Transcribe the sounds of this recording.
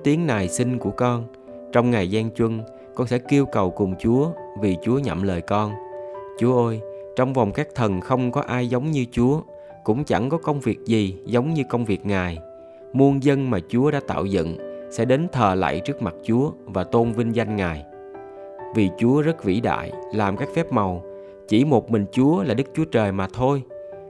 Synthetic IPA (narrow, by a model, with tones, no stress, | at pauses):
t̪i˨˦əŋnaː˨˩jsi˧ŋku˧˩əkɔ˧n | t͡ɕɔ˧wŋ͡mŋaː˨˩jzɛː˧ŋt͡ɕwə˧n | kɔ˧nsɛ̰˧˥ki˧əwkə˨˩wkʊ˨˩ŋ͡mt͡ɕu˨˦əvi˨˩t͡ɕu˨˦əɲə̰˧˨mləː˨˩jkɔ˧nt͡ɕu˨˦əʔəː˧jt͡ɕɔ˧wŋ͡mva˨˩wŋ͡mkaː˦˥k̚t̪ʰə˨˩nxə˧wŋ͡mkɔ˨˦ʔaː˧jzə˨˦wŋ͡mɲɨ˧t͡ɕu˨˦ə | kʊ̰˧˥ŋ͡mt͡ɕa̰˧˩ŋkɔ˨˦kə˧wŋ͡mvi˨˩ək̚zi˨˩zə˨˦wŋ͡mɲɨ˧kə˧wŋ͡mvi˨˩ək̚ŋaː˨˩j | mu˧ənzə˧nmaː˨˩t͡ɕu˨˦əɗaː˧˥t̪a̰ː˧˨wzə̰˧˨nsɛ̰˧˥ɗe˨˦nt̪ʰəː˨˩la̰ː˧˨jt͡ɕɨ˦˥ək̚ma˨˩t̚t͡ɕu˨˦əvaː˨˩t̪o˧nvi˧nza˧jŋ̟ŋaː˨˩j | vi˨˩t͡ɕu˨˦əzə˦˥t̚vḭ˧˥ɗa̰ː˧˨jlaː˨˩mkaː˦˥k̚fɛ˦˥p̚ma˨˩w | t͡ɕi˧˩mo˨˩t̚mï˨˩ŋ̟t͡ɕu˨˦əlaː˨˩ɗɨ˦˥k̚t͡ɕu˨˦ət͡ɕəː˨˩jmaː˨˩t̪ʰo˧j